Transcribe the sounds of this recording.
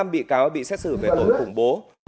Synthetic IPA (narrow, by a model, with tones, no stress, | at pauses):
a˧mɓḭ˧˨kaː˨˦wɓḭ˧˨sɛ˦˥t̚sɨ˧˩ve˨˩t̪o˨˧˩nxʊ˧˩ŋ͡mɓo˨˦